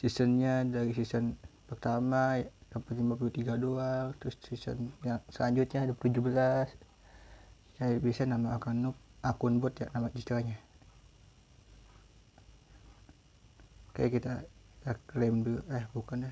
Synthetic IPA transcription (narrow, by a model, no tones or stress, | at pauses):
sisənɲadaɾis̬isənpərt̪amajajapərt̪imbap̬ulut̪iɡaduaŋt̪ɾʊsːisə̰njaŋsəlaɲd͡ʒut̪̚ɲadupt̪ud͡ʒubəlas | kajabiasanamaakanʊp̚ʔakʊnbʊt̪ja̰ʔnamad͡ʒist̪ɾaɲa | ka̰jakit̪aakɾɛmduahbukana